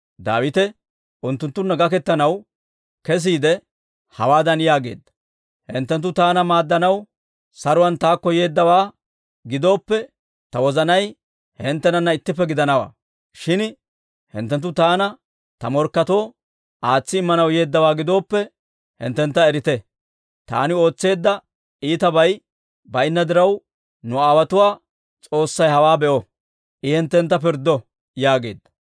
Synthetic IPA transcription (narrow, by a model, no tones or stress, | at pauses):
d̪a̰ːwɪt̪ɛ | ʔʊnt̪ːʊnt̪ːʊnːɐɡɐkɛt̪ːɐnɐw | kɛs̬iːd̪ɛ | hɐ̰waːd̪ɐnjaːɡeːd̪ːɐ̥ | hɪnt̪ːɛnt̪̬ːʊt̪aːnɐmaːd̪ːɐnɐw | sɐɾʊwɐnt̪aːkːɔje̞ːd̪ːɐwaː | ɡɪd̪o̞ːpːɛ | t̪ɐwɔzɐnɐj | hɪnt̪ːɛnɐnːɐɪt̪ːɪpːɛɡɪd̪ɐnɐwa̰ː | ʃɪn | hɪ̰nt̪ːɛnt̪̬ːʊt̪aːnɐ | t̪ɐmɔɾkːɐt̪o̞ː | ʔaːt͡sːɪɪmːɐnɐwje̞ːd̪ːɐwaːɡɪd̪o̞ːpːɛ | hɪ̰nt̪ːɛnt̪ːɐɛɾɪt̪ɛ | t̪a̰ːnɪo̞ːt͡sːe̞ːd̪ːɐ | ʔiːt̪ɐbɐj | bɐɪnːɐd̪ɪɾɐw | nʊaːwɐt̪ʊwaː | t͡sʼo̞ːsːɐjhɐwaːbɛʔɔ | ʔɪhɪnt̪ːɛnt̪̬ːɐp̬ɪɾd̪ːɔ | jaːɡe̞̰ːd̪ːɐ̥